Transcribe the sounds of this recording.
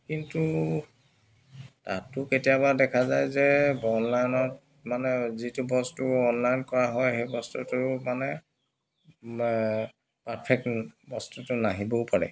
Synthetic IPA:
kintu | ta̰tːʊketijabadɛkʰazajzɛbɔnlajnɔt | manɛzitʊbɔstuɔnlajnkɔɹaɦɔjxejbɔstutʊmanɛ | paɹpʰɛk̚tbɔstutʊnaɦibopaɹɛ̰

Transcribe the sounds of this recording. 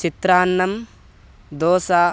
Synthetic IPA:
t͡ʃit̪ɾaːnːɐm | d̪oːsaː

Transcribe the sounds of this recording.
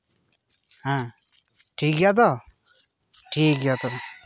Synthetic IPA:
ɦã | ʈʰiːkɡjat̪̬ɔ | ʈʰiːkɡjat̪ɔ

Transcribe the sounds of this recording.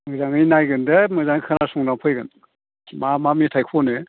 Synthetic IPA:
mɯzaŋɯjnajɡɯndɐmɯzaŋkʰɯnasuŋdaŋpʰɯjɡɯn | mamamitʰajkʰɔnɯ

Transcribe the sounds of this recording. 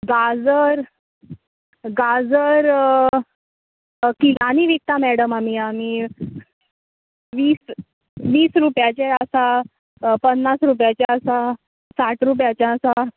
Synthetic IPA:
ɡad͡zəɾ | ɡad͡zəɾ | kiɡaniʋik̚t̪amɛɽəmamiamiː | ʋiːs | ʋiːsɾupjat͡ɕɛəsa | pənːasɾup̬jat͡ɕaəsa | saʈɾup̬jat͡ɕaəsa

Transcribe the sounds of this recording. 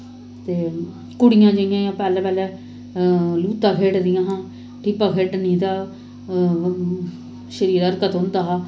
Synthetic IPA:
t̪eː | kʊɽɪjãːd͡ʒəɪjãːjãːpɛːlɛːpɛːlɛː | luːt̪ãːkʰeːɖd̪ɪjãːɦãː | ʈʰiːpaːkʰeːɖnĩːt̪aː | ʃəɾiːɾəɾkət̪ɦʊ̃nd̪aːɦaː

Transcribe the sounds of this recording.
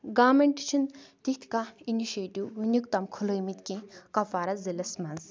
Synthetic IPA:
ɡaːmɐɳʈt͡ʃʰint̪it̪ʰkainiʃeːʈiwːunʲikt̪ɐmkʰuləjmit̪kĩkɐfaːɾɐzilɐsmɐnz

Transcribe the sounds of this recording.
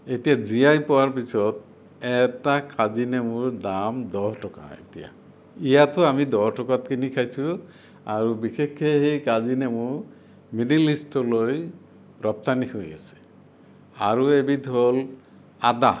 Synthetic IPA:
etijazijajpɔwaɹp̬isɔt̪ | ɛtakazinɛmʊɹd̪amd̪ɔɦtɔka̰ḛtija̰ | ijatʰɔamid̪ɔɦtɔkat̚kinikʰajsu | aɹubikʰekʰːeɦejkazinɛmʊɹ | minilistɔloj | ɹɔp̚t̪anihoja̰se̥ | a̰ɹuebid̪ʱɦol | ad̪a

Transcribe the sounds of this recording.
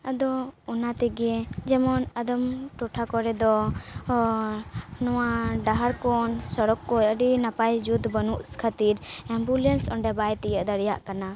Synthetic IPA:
ad̪ɔɔnat̪ɛɡɛd͡ʒɛmɔnad̪ɔmʈɔʈʰakɔɾɛd̪ɔ | nɔwaɖaɦaɾkɔnsɔɾɔkːɔəɖinapajd͡ʒud̪bənuʔskʰat̪iɾɛmbulɛnsɔɳɖɛbajt̪ɛjəʔd̪aɾja̰ʔkana

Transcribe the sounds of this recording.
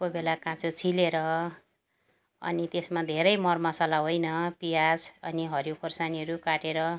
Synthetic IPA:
kobelakãt͡sot͡sʰileɾʌ | ʌ̰nit̪esmad̪ʱeɾʌjmʌrmʌsalaɦojnʌpijasʌniɦʌɾjokʰorsaniʌɾukaʈeɾʌ

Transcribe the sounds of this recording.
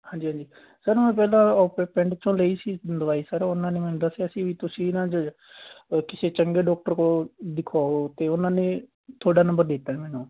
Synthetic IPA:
hãːɲd͡ʒiːãːd͡ʒiː | səɾmɛ̃ːp̬ɛːlãːɔːpɛːpɛ̃ɳɖt͡ʃʰõːləiːsiːd̪əʋaːiːsəɾʊnãːnẽːmənd̪aːsiəsĩːʋiːt̪ʊsĩːɪnãːt͡ʃə | kɪseːt͡ʃəŋɡeːɖɔːk̚ʈəɾkoːd̪ɪkʰoːt̪eːʊnãːneː | t̪ʰoːɽaːnə̃mbəɾd̪ɪt̪ːaːmɛːnũː

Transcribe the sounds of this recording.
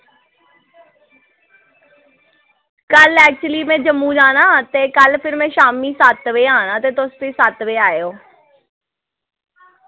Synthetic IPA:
kɐlɛːk̚t͡ɕlimẽd͡ʑɐmːũd͡ʒaːnãːt̪ekəlpʰɪɾmẽʃaːmisaːt̪ʋeaːnãt̪et̪oːst̪esaːt̪ʋeaːjoː

